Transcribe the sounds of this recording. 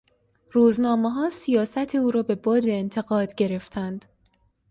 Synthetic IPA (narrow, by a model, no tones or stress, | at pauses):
ruːznɒːmeɦɒːsijɒːsæt̪ʰeuːɾɒːbe̞bɒːd̪eːnt̪ʰe̞ɣɒːd̪ɟe̞ɾe̞ft̪ʰænd̪̥